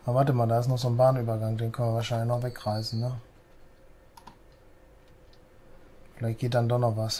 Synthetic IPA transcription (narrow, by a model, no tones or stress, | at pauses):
ʔavaɐtəmaːldaːɪstnɔχz̥oːnbaːnyːbɐɡaŋdeːnkœnviːɐvaːɐʃaɪnlɪçnɔχvɛkʁaɪsn̩nə | fɪlaɪçt̚ɡ̥eːt̚d̥andɔχnɔχvas